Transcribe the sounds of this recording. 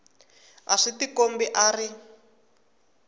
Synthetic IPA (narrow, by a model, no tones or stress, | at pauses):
a̰ʂitikombiʔaːri